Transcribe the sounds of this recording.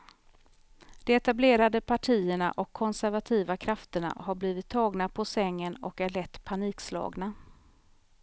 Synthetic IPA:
d̪̥ɛɛt̪ableːɾad̪əpʰaʈʰiːəɳa̰ʔɔkʰːɔnsæɾvat̪ʰiːvakʰɾaft̪əɳa̰haɾbliːvɪt̪ʰːɑːɡnapʰɔsɛŋːənɔ̰kæɭɛt̪ːpʰaniːkslɑ̰ːɡna

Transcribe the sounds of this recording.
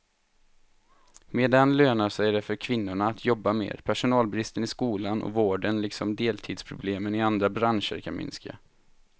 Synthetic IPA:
meːd̪ɛnløːnasɛɖɛfœɾkʰvɪnːʊɳaːt̪ʰjɔbːamḛːɾpʰæʂʊnɑːlbɾɪst̪ənɪskuːlanʔɔ̰voːɖənlɪksɔmd̪eːlt̪ʰiːd̪spʰɾʊbleːmənɪand̪ɾabɾanʂə̰ɾkʰanmʏ̰nska̰

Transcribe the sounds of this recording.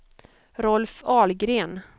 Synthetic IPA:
ɾɔlfɑːlɡɾeːn

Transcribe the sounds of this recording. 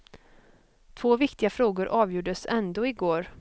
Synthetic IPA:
t̪ʰvoːvɪkt̪ɪɡafɾoːɡʊɾʔɑːvjuːɖəsɛnd̪oːɪɡoːɾ

